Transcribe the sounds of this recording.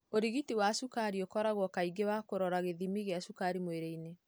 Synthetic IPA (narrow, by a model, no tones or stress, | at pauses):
oɾiɣitiwasukaɾiokɔɾaɣwɔkaiɡewakoɾɔɾaɣeðimiɣeasukaɾimweɾeine